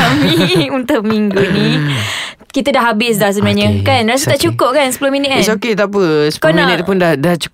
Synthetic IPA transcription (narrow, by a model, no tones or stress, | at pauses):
amĩunt̪oʔmiŋɡunĩ | kit̪ədaɦabɪs̬dahs̬əbənaɲə̃kanras̬ət̪aʔt͡ʃukʊp̚kansə̥pulʊhmĩnit̪̚s̬oket̪ap̬əsə̥pukonminit̪pʊndahdaht͡ʃu̥